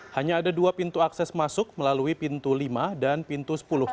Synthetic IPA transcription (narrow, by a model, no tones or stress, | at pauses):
haɲaːdaduapint̪uaksɛsmasʊk̚məlaluipint̪ulimadanpint̪usə̥pulʊh